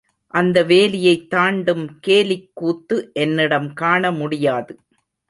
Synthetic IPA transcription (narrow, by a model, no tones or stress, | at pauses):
ʔɐnd̪ɐʋeːlɪjɐɪt̪ːaːɳɖɯmkeːlɪkːuːt̪ːɯʔɛnːɪɽɐmkaːɳɐmʊɽɪjaːðɯ